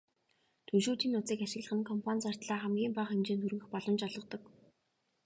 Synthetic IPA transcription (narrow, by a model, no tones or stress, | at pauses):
t̪ʰɵʃuːt̪iːnːʊt͡siːkaʃɪ̆ɣɮə̆χɘ̆nkʰɔmpʰant͡sar̥t̪ɮaːχæmɡʲiːmpaχemt͡ɕeːnt̪ʰuɾɣɘ̆xpɔɮɞ̆mt͡ɕɔɮʁɞ̆qt̪ɞ̆k